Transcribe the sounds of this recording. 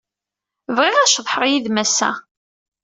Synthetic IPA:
vʁɪʁæʃðˤħɾˤjiðmæsæ̰

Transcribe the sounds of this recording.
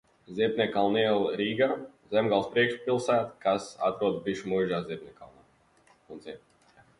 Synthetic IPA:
zʲiɛpnʲɛkalˠniɛlˠɾiːɡaːzʲɛmɡalˠspɾiɛkʃpʲilˠsæːt̪kʰasa̰t̪ɾuɔd̪̚biʃmuʒaːzʲiɛp̚ʲnʲika̰lˠnaː | unziɛp̚nʲ

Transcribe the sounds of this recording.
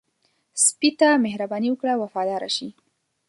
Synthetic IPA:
spit̪amehɾabɑniwəkɽawafɑd̪ɑɾa̰ʃi

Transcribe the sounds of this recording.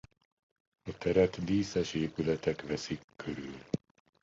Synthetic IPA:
ɒt̪ɛɾɛt̪d̪iːsɛʃeːpylɛt̪ɛkʋɛsikːøɾyl

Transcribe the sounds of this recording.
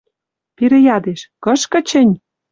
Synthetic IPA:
piɾĕjɑd̪eʃkɤ̆ʃkə̆t͡ɕə̆nʲ

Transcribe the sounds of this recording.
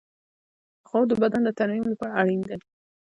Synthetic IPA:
xod̪əbad̪and̪ət̪aɾmimlapɑɾaaɽind̪ə

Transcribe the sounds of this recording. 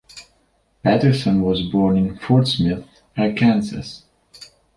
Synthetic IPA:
pætə˞sə̃nwʌzbɔɹnɪ̃nfʊɹtsmɪθ | əkʰæ̃nzɨ̰s

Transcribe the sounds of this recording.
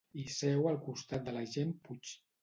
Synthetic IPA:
isɛwəlˠkust̪at̪̚d̪əlaʒemput͡ʃ

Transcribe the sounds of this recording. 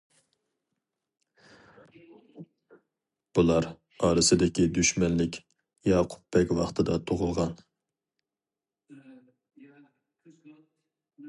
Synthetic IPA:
b̥ulˠɑɾ | ɑːɾɨsɪd̪ɪkʲid̪yʃmɛnlɪkʲ | jɑːqʰʊ̥pːɛkʲwɑχt̪ʰɨd̪ɑt̪ʰoʁʊlˠʁɑn

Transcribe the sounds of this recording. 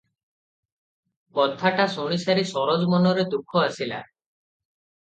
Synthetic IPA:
bɔd̪ʱːaʈasuɽ̃isaɾisɔɾɔd͡ʒɔmɔnɔɾet̪ukʰɔasila̰

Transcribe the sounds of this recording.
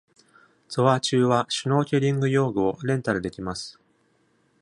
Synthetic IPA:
t͡sɨβat͡ɕɨːβaɕɨno̞ːkʲeɾʲĩŋɡɯ̟jo̞ːɡɯ̟o̞ɾẽ̞nt̪aɾɯ̟d̪e̞kʲimasɨ̥

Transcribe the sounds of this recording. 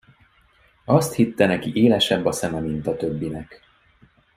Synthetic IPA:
ɒst̪hit̪ːɛnɛkiʔeːlɛʃɛbːɒsɛmɛmint̪ɒt̪ø̞bːinɛk

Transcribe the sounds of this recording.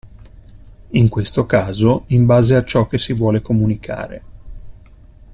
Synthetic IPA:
iŋkwest̪okaːzoimbaːzeat͡ʃɔkːesivwɔːlekomunikʰa̰ːɾḛ

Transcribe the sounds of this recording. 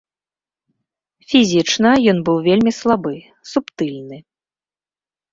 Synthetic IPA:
fʲizʲit͡ʂnɐjɔnbɨwvʲelʲmʲislˠabɨ | supt̪ɨlʲnɨ

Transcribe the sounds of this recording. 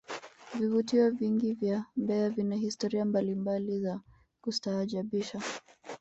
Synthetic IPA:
vivutiɔviŋɡivjambɛavinahistɔɾiambalimbaliza | kustaːʄaɓiʃa

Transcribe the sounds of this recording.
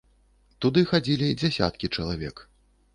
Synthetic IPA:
t̪ud̪ɨxad͡zʲilʲid͡zʲasʲa̰t̪̚kʲit͡ʂɐlˠavʲɛk

